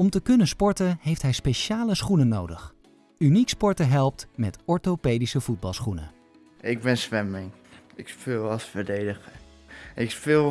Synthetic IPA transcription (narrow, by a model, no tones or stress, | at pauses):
ɔmtəkɵnənspɔɹtənɦejftɦɛjspejʃaːləsχunənowdəχ | ynikspɔɹtəɦɛlˠp̚tmɛtɔɹtopeːdisəv̥ud̚bɑlˠsχunə̰ | ɪɡ̚bɪnsʋɛmɪŋ | ɪkspɪlˠɑsfəɹdejdəxə | ɪkspɪlˠ